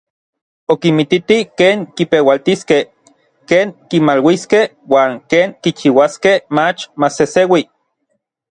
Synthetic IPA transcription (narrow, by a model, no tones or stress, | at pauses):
okimit̪it̪ikeːŋkipewalt̪iskeh | keːŋkimalwiskeh | waːŋkeːŋkit͡ʃiwaskehmat͡ʃmasesewi